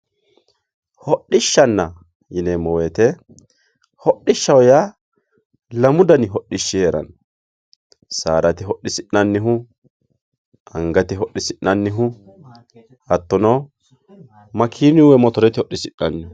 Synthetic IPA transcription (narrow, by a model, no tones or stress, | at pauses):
hɔɗːɪʃːɐnːɐ | jɪneːmːɔweːt̪ɛ | hɔɗːɪʃːɐwja | lɐmʊd̪ɐnɪɦɔɗːɪʃːɪjeːɾɐ̰n | sa̰ːɾɐt̪ɪɦɔɗːɪsɪɗːɐnːɪɦʊ | ɐŋɡɐt̪ɪɦɔʔːɪsɪʔːɐnːɪɦʊ | ɐt̪ːɔnɔ | mɐkʰiːnɪwɛmɔt̪ɔɾɛt̪ɪhɔʔːɪsɪʔːɐnːɪ